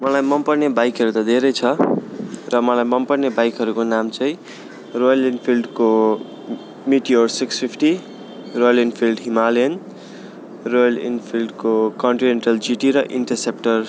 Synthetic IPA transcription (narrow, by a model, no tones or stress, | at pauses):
mʌlajmʌmpʌrnebajkʌɾut̪ʌd̪ʱeɾʌjt͡sʰʌ | rʌmʌlajmʌmpʌrnebajkɦʌɾukonamt͡sʌĩ | rojʌlinpʰilɖko | miʈiorsiksfipʰʈi | rojʌlinpʰilɖɦimalen | rojʌlḭnpʰilɖkokʌɳʈineɳʈʌld͡ziʈiɾʌʔiɳʈʌrsepʈʌr